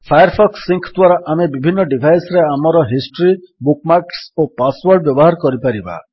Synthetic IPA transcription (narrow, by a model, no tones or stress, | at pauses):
fpʰajaɾpʰɔksːiŋkʰt̪waɾɔʔamebibʱinːɔɖibʱajsɔɾeamɔɾɔɦisʈɔɾi | bukmaɾksopaswɔɾɖbjɔbɔɦaɾkɔɾipaɾiba̰